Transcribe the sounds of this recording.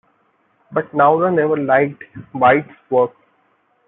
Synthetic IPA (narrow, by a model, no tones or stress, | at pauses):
bʌʈ̚naʊd̪enɛʋəɾlaɪk̚ʈʋaɪʈsʋəɾk